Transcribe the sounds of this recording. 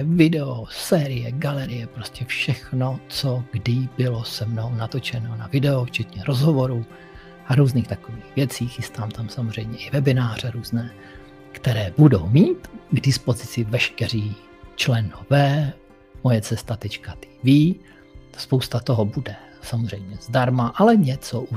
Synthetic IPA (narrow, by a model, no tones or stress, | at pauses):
vɪdɛosɛːɾɪjɛɡalɛɾɪjɛpɾoscɛfʃɛxno̞t͡soɡdɪbɪlo̞sɛmno̞wnat̪o̞t͡ʃɛno̞navɪdɛoft͡ʃɛt̪ɲɛɾo̞zɦovo̞ɾuː | ʔaɾuːzniːxt̪akoviːɣvjɛt͡siːxɪst̪aːmt̪amsamozr̝ɛjmɲɛʔɪvɛbɪnaːr̝ɛɾuːznɛː | kt̪ɛɾɛːbudo̞wmiːt̪ɡdɪspo̞zɪt͡sɪvɛʃkɛriː | t͡ʃlɛnovɛː | mo̞jɛt͡sɛst̪at̪ɛt͡ʃkat̪iːviː | spowst̪at̪o̞ɦobudɛ | samozr̝ɛjmɲɛzdaɾmaʔalɛɲɛt͡soʔu